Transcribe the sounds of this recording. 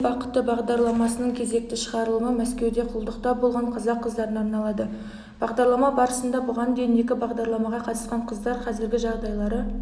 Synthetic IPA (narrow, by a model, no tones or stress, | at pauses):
bɑqə̥t̪ːəbɑʁd̪ɑɾlˠɑmɑsənəɴkʲʰe̞ze̞k̚t̪ɪʃəʁɑɾəlˠəməmæskʲe̞wd̪e̞qʰʊlˠd̪əqt̪ɑbolˠʁɑɴqʰɑzɑqʰːəzd̪ɑɾənɑɾnɑlˠɑd̪ə | b̥ɑʁd̪ɑɾlˠɑmɑbɑɾəsənd̪ɑbʊʁɑnd̪ejɪne̞kʲɪbɑʁd̪ɑɾlˠɑmɑʁɑqʰɑt̪əsqɑɴqʰəzd̪ɑɾqʰɑzɪɾɡʲɪʒɑʁd̪ɑjlˠɑɾə